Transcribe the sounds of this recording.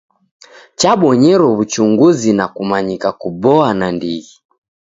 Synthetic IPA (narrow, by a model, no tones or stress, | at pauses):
t͡ʃaɓɔɲɛɾɔβut͡ʃuŋɡuzinakumaɲikakubɔanandiɣi